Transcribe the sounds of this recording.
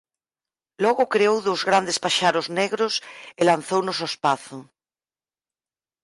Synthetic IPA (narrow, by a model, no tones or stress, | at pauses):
lɔɣokɾeowðozɣɾand̪espaʃaɾozneɣɾoselan̟θownosospaθo